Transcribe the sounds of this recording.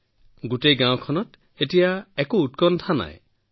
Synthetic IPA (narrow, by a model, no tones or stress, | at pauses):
ɡutejɡãw̃kʰɔnɔt̪ | etijaekuːt̪̚kɔnt̪ʰana̰ḛ